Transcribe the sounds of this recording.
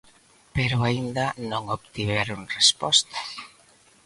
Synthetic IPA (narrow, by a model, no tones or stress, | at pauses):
peɾʊaind̪anõŋoβt̪iβeɾʊnrespɔst̪ḁ